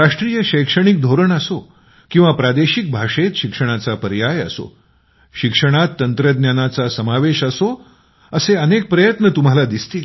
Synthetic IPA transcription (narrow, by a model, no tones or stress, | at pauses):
ɾaʂʈɾiːjəɕəjkʂəɽ̃ik̚d̪ʱoɾəɳəso | kĩw̃ʋapɾad̪eɕik̚bʱaʂet̪ɕikʂəɽ̃at͡sapəɾjajə̰so̰ | ɕikʂəɽ̃at̪ːənt̪ɾəd̪njanat͡sasəmaʋeɕəso | əseənek̚pɾəjət̪nət̪um̤alad̪ist̪iːl